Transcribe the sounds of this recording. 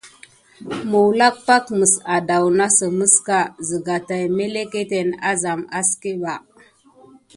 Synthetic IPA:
mu˨wla˦k̚pa˦kmə˨sa˨da˨wna˦sə˨mə˦ska˨zə˨ɡa˨ta˨jme˦le˦ke˦te˨na˦za˨ma˦ske˦ba˨

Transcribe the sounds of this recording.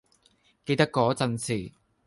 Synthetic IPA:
ke˧jt̪ɐ˥kːɔː˨˥t͡sɐ˧nsʰiː˨˩

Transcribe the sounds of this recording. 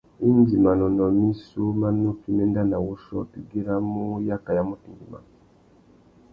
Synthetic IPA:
i˦n˦d͡ʒi˨ma˨nɔ˨nɔ˨mi˦su˦ma˦no˦ki˦mɛ˦nda˦na˨wu˦ʃɔ̰˦pi˨ɡi˦ɾa˦mu˦ja˦ka˨ja˦mu˦ti˨ŋɡi˨ma̰˨

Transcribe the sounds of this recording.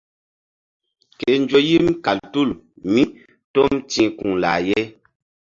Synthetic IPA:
ke˨n˦d͡ʒo˦ji˦mka˨ltu˦˨l | mi˦ | to˦mtĩ˦ku˨ŋla̰ː˨jɛ˦

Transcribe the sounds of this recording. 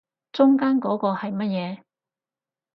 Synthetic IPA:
t͡sʊ˥ŋkaː˥nkɔː˨˥kɔː˧hɐ˨jmɐ˥t̚jɛː˨˧

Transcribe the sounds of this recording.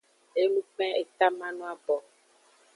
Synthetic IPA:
e˦nũ˦k͡pɛ̃˦e˨t̪a˦mã˦nũ˦a˦˨bɔ˨

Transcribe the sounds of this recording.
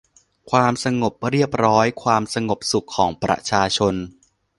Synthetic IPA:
kʰwaː˧msa˧ŋo˨˩p̚ɾi˥˩əp̚ɾɔː˦˥jkʰwaː˧msa˧ŋo˨˩p̚su˨˩kʰːɔː˩˦ŋpɾa̰˧t͡ɕʰaː˧t͡ɕʰo˧n

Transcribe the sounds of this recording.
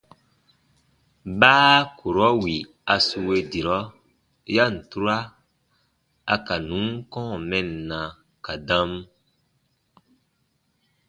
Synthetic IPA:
baː˦kʰu˨ɾɔ˦wi˨ | a˨su˧we˧di˨ɾɔ˦ | ja˦˨n̩˨tu˦ɾa˦ | a̰˨ka˨nũ˨˦ŋkɔ̃˦˨mɛ̃˦nː˨ã˨ | ka˨dã˦m

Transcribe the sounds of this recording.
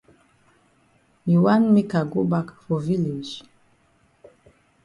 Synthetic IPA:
hi˨wã˦nme˦ka˨ɡo˦ba˦kfɔ˨vi˦le˨d͡ʒ

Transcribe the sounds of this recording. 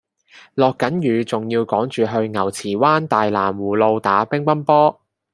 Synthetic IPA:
lɔː˨kːɐ˨˥njyː˨˧t͡sʊ˨ŋjiː˧wkɔː˨˥ŋt͡ʃyː˨ɦɵ˧ɥŋɐ˨˩wt͡sʰiː˨˩waː˥nt̪aː˨jlaː˨˩mwuː˨˩lo˧wt̪aː˨˥pɪ˥ŋpɐ˥npɔː˥

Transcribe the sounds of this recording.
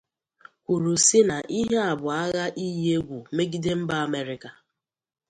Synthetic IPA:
kʷu˨ɾu˨sɪ˦na˨ʔi˦ɦe˦a˨bʊ˨a˦ɣa˦ʔi˦je˦ɡʷu˨me˦ɡi˦de˦m̩˦ba˦a˦˨me˨ɾɪ˨ka˨

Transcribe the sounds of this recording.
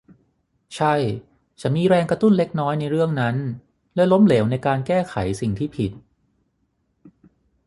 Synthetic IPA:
t͡ɕʰa˥˩j | t͡ɕa˨˩miː˧ɾɛː˧ŋkɾa˧t̪u˥˩nle˦˥k̚nɔː˦˥jna˧jɾɯ˥˩əŋna˦˥n | lɛ˦˥lo˦˥mleː˩˦wna˧jkaː˧nkɛː˥˩kʰa˩˦jsi˨˩ŋt̪ʰiː˥˩pʰi˨˩t̪̚

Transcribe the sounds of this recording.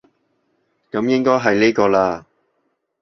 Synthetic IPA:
kɐ˨˥mjɪ˥ŋkɔː˥jɦɐ˨jneː˥kɔː˧laː˧

